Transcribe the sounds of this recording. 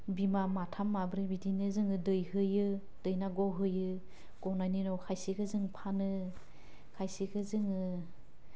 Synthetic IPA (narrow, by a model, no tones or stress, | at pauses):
bimamatʰamːabɾibidinɯzɯŋɯdɯjɦɯjɯ | d̥ɯjnaɡɔɦɯjɯ | ɡ̥ɔnaninɔwkʰajsiɡɯzɯŋpʰanɯ | kʰajsiɡɯzɯŋɯ